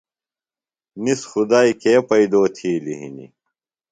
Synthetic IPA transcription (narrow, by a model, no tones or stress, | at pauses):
nisxud̪aːikeːpɐid̪oːt̪ʰiːliɦḭnḭ